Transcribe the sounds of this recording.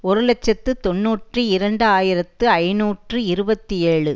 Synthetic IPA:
ɔɾɯlɛt͡ʃːɐt̪ːɯt̪ɔnːuːʈrɯɪɾɐɳɖɯaːjɪɾɐt̪ːɯɐɪnuːʈrɯɪɾɯbɐt̪ːieːɭɯ

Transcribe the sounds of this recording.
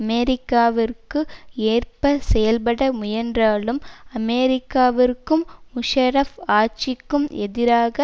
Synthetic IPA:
ɐmeɾɪkːaːʋɪrkɯeːrpɐsɛjɐlpɐɽɐmʊjɐndraːlɯmɐmeːɾɪkːaːʋɪrkɯmːʊʂɐɾɐfaːt͡ʃɪkːɯmɛðɪɾaːɣɐ

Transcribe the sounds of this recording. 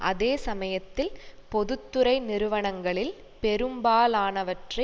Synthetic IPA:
ʔɐðeːsɐmɐjɐt̪ːɪlpɔðɯt̪ːɯɾɐɪnɪɾɯʋɐɳɐŋɡɐɭɪl | pɛɾɯmbaːlaːnɐʋɐʈrɐ

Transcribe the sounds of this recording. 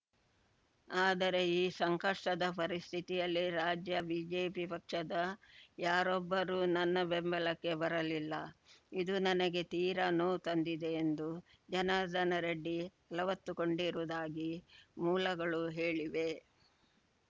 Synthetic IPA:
aːd̪ɐɾe̞iːsɐŋkɐʂʈɐd̪ɐpɐɾist̪ʰit̪ijɐlːiɾaːd͡ʒjɐbiːd͡ʒe̞ːpipɐkʂɐd̪ɐjaːɾɔbːɐɾuːnɐnːɐbembɐlɐkːe̞bɐɾɐlilːɐid̪unɐnɐɡe̞t̪iːɾɐnuːt̪ɐnd̪id̪e̞ːnd̪u | d͡ʒɐnad̪ʱɐnɐɾɐɖːi | ɐlɐʋɐt̪ːuko̞ɳɖiɾuud̪aːɡimuːlɐɡɐɭuɦeːɭiʋe̞

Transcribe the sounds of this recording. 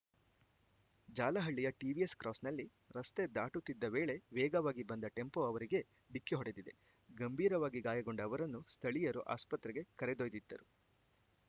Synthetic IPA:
d͡ʒaːlɐɦɐɭːijɐʈiːʋieskɾʔɔːsnɐlːi | ɾɐst̪e̞d̪aːʈut̪ːid̪ːɐʋeːɭe̞ʋɛːɡɐʋaːɡibɐnd̪ɐʈe̞mpo̞ɐʋɐɾiɡe̞ | ɖikːiɦɔɽe̞d̪id̪e̞̰ | ɡɐmbʱiːɾɐʋaːɡiɡaːjɐɡo̞ɳɖɐʋɐɾɐnːust̪ʰɐɭijɐɾoʔa̰ːspɐt̪ɾɛɡe̞kɐɾed̪ojd̪id̪ːɐɾu

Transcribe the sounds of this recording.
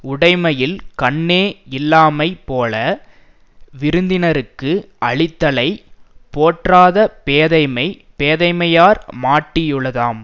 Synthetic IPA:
ʊɽɐɪmɐjɪlkɐɳːeːɪlːaːmɐɪpoːlɐ | ʋɪɾɯnd̪ɪnɐɾɯkːɯʔɐɭɪt̪ːɐlɐɪpoːʈraːðɐpeːðɐɪmɐɪpeːðɐɪmɐjaːɾmaːʈːɪjɯɭɐðaːm

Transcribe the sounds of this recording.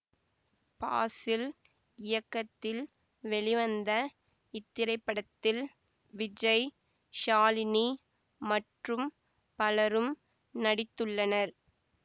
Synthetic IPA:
pa̰ːsɪl | ɪjɐkːɐt̪ːɪl | ʋɛɭɪʋɐnd̪ɐ | ɪt̪ːɪɾɐɪpːɐɽɐt̪ːɪl | ʋɪd͡ʒɐɪ | ʃaːlɪni | mɐʈrɯm | pɐlɐɾɯm | nɐɽɪt̪ːɯɭːɐnɐɾ

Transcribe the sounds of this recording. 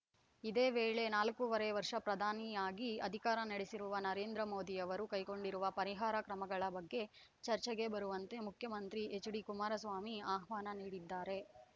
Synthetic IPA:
id̪eːʋeːɭe̞naːlkuʋɐɾeʋɐɾʂɐpɾɐd̪ʱaːnijaːɡiɐd̪ʱikaːɾɐnɐɽesiɾuʋɐnɐɾe̞ːnd̪ɾɐmoːd̪ijɐʋɐɾukɐjko̞ɳɖiɾuʋɐpɐɾiɦaːɾɐkɾɐmɐɡɐɭɐbɐɡːe̞ | t͡ʃɐɾt͡ʃɛɡe̞bɐɾuʋɐnt̪e̞mukʰjɐmɐnt̪ɾiʔet͡ʃɽikumaːɾɐsʋaːmiaːɦʋaːnɐniːɽid̪ːaːɾe̞

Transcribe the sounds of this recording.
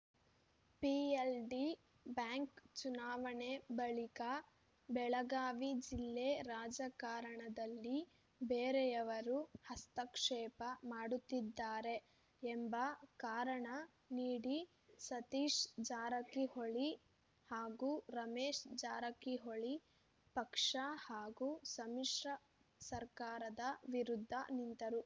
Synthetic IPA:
pielɖi | bjaːŋkt͡ʃunaːʋɐɳebɐɭika | bɛɭɐɡaːʋid͡ʒilːeɾaːd͡ʒɐkaːɾɐɳɐd̪ɐlːi | beːɾejɐʋɐɾuhɐst̪ɐkʂɛːpɐmaːɽut̪ːid̪ːaːɾe̞ | embɐkaːɾɐɳɐ | niːɽi | sɐt̪iːʂd͡ʒaːɾɐkiɦoɭi | haːɡuːɾɐmeːʂd͡ʒaːɾɐkiɦoɭi | pɐkʂahaːɡusɐmiʂɾɐ | sɐɾkaːɾɐd̪ɐʋiɾud̪ʱːɐ̰nint̪ɐɾu

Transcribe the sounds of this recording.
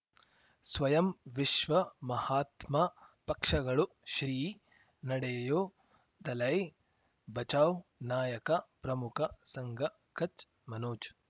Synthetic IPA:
sʋɐjɐmʋiʃʋɐmɐhaːt̪mapɐkʂɐɡɐɭu | ʃɾiː | nɐɽeːjoː | d̪ɐlɐj | bɐt͡ʃaːwnaːjɐkɐpɾɐmukʰɐsɐŋɡʱɐ | kɐt͡ʃ | mɐnoːt͡ʃ

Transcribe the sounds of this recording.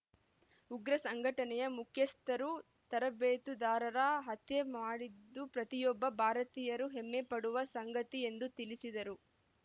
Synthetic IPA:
uɡɾɐsɐŋɡʱɐʈɐnɛjɐmukʰjɐst̪ɐɾu | t̪ɐɾɐbeːt̪ud̪aːɾɐɾɐɦɐt̪jemaːɽid̪ːupɾɐt̪ijɔbːɐbʱaːɾɐt̪iːjɐɾuɦemːepɐɽuʋɐsɐŋɡɐt̪ie̞nd̪ut̪ilisid̪ɐɾu

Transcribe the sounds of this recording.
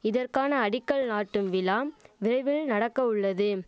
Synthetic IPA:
ɪðɐrkaːnɐːɽɪkːɐɭnaːʈːɯmʋɪlaːmʋɪrɐɪʋɪɭnɐɽɐkːɐʊɭːɐðɯ

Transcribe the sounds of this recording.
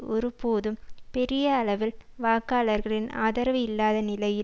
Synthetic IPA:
ɔɾɯpoːðɯmpɛɾɪjɐːɭɐʋɪlʋaːkaːlɐɾɣɐɭɪna̰ːðɐɾɐʋɐɪlːaːðɐnɪlɐjɪ

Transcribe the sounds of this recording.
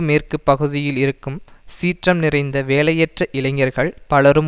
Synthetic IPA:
meːrkɯpːɐɣɯðɪjɪlɪɾɯkːɯmsiːʈrɐmnɪrɐɪnd̪ɐʋeːlɐjɛʈrɐʔɪlɐɪŋːɐɾɣɐɭpɐlɐɾɯm

